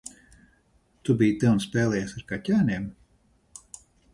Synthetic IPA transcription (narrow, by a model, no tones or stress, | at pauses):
t̪ubijt̪ɛwnspɛːlˠɛjasaɾkacʲæːnʲeɛm